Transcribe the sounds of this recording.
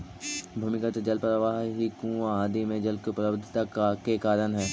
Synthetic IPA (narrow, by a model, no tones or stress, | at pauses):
bʱuːmɪkət̪d͡ʒɐlpɾəʋaːɦɦikũːʋaaːd̪imẽd͡ʒɐlkeʊpləbd̪ʱɪt̪akkekaːɾənɦɛː